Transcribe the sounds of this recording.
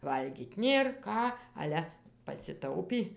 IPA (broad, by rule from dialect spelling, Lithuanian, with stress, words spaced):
ˈʋɐlʲɡʲiːtʲ ˈnʲeːr ˈkɑː ˈɑːlʲɛ pɐsʲɪˈtɐʊpʲiː